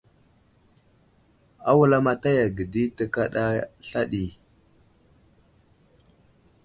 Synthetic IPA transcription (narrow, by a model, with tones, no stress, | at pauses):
a̰˦wu˦˨la˦ma˦ta˦ja˨ɡə˨di˦tə˦ka˦ɗa˦ɬa˦ɗi˨